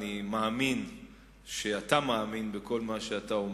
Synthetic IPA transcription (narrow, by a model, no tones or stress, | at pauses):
nimaːmin | ʃeatamaːminbekʰo̞lmaʃeataom